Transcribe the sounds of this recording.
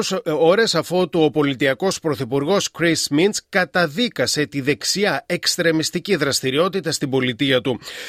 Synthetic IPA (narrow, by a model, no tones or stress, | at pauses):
o̞ɾesɐfo̞t̪uo̞po̞lit̪iɐko̞spɾo̞θipuɾɣo̞skɾisminskɐt̪ɐðikɐse̞t̪iðe̞ksiɐe̞kst̪ɾe̞mist̪iciðɾɐst̪iɾio̞t̪it̪ɐst̪ibo̞lit̪iɐt̪u